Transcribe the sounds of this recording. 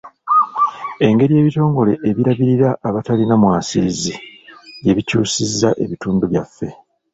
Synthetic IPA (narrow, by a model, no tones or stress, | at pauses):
e̞ŋɡe̞ɾije̞ːβito̞ːŋɡo̞le̞ʔeβiɾaβiɾiɾaʔːβatalinamwaːsizije̞βicuːsizːaʔe̞βituːnduβjafːe̞